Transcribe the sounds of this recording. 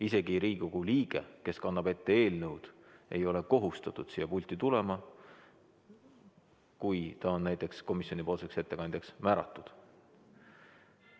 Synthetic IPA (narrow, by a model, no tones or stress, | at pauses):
ise̞ɡ̥iɾiːoɡ̥uliːɡ̥e̞̰ke̞skɑnːɑb̥e̞t̪ːe̞e̞ːlnɤwd̪̥ | e̞̰jo̞le̞ko̞ɦust̪ɑt̪ˑud̪̥siːjːɑpulʲt̪ˑit̪ule̞mɑ | kujt̪ɑo̞nːæjt̪ˑe̞ksko̞misjo̞nipo̞lse̞kse̞t̪ːe̞kɑnd̪jeksmæːɾɑ̰t̪ːˑud̪̥